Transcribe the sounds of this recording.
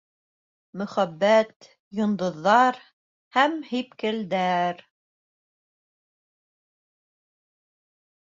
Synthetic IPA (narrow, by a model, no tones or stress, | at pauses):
mɵ̆χæbːæt̪ | jŏnd̪ŏðːɑɾ | hæmhipkɘ̆ld̪æɾ